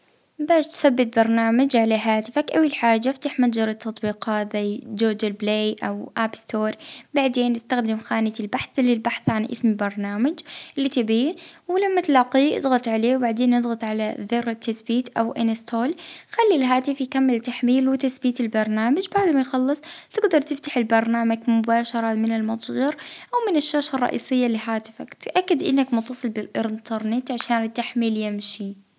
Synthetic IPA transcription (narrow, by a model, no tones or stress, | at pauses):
baːʃt̪θabːɪt̪̚bɑɾˤnaːmad͡ʒʕalaɦaːt̪ɪfakʔawilħaːd͡ʒːaft̪aħmad̪d͡ʒɑɾˤɑt̪ːɑt̪ˤbiːqɑːt̪zajd͡ʒoːd͡ʒɪlbleːʔawʔaːbst̪oːɾˤbaʕd̪eːnʔɪst̪axd̪ɪmxaːnɪt̪ɪlbaħθlɪlbaħθʕanʔɪ̰smbɑɾˤnaːmad͡ʒʔɪlːit̪ɪbiːwɪlamːat̪lɑqiʔɪ̰d̪ˤɣɑt̪ˤʕaleːwbaʕd̪eːnːɨd̪ˤɣɑt̪ˤʕalaðɪrːɪt̪ːasbiːt̪ʔawʔɪ̰nɪst̪oːlxalːilɦaːt̪ɪfjkamːɪlt̪aħmiːlwɪt̪asbiːt̪ɪlbɑɾˤnaːmad͡ʒbaʕd̪majxɑlːɨsˤt̪ɪɡd̪ɑɾˤt̪ɪft̪aħɪlbɑɾˤnaːmaɡmʊbaːʃɑɾˤɑmɪnɪlmɑt̪ˤjɑɾʔawmɪnɪʃːaːʃɑrˤːɑ̰ʔḭːsɪjːalɪɦaːt̪ɪ̥fakt̪ʔakːad̪ʔɪnːakmʊnt̪ːɑsˤɨlbɪlʔɪɾnt̪ɑɾˤnɪt̪ʕaʃaːnɪt̪ːaħmiːljɪmʃi